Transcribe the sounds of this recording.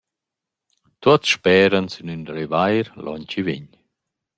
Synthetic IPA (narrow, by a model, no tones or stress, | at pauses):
t̪uat̪ʃpɛːɾənsynyndɾivajɾlʔɔ̰ɲt͡ɕivḭɲ